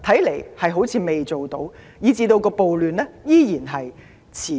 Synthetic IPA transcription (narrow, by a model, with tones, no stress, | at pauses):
t̪ʰɐ˨˥jle˨˩jhɐ˨jɦo˨˥wt͡sʰiː˨˧me˨˩jt͡so˨wt̪o˨˥w | jiː˨˧t͡siː˧t̪o˧wkɔː˧po˨wlyː˨nlɛː˥jiː˥jiː˨˩nɦɐ˨j | t͡sʰiː˨˩